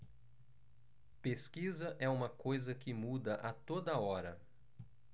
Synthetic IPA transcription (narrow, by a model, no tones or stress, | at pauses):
peskizɐʔɛũmɐkojzɐkɪmud̪ɐʔɐt̪od̪ɐɔɾɐ̰